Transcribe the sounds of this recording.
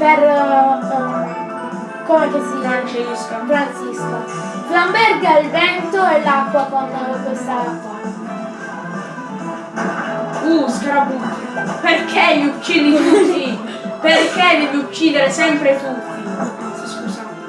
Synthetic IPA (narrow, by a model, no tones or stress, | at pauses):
per | komefet̪iɾant͡ʃeuskofɾant̪sisko | flambɛrɡailvɛnt̪oɛlːakːwakonkwest̪aaa | uskɾabut̪iaperkʰelːut͡ʃːiːd̪iut̪ːi | perked̪eviut͡ʃːiːd̪eɾesɛmpɾet̪ut̪ːi | skuːsa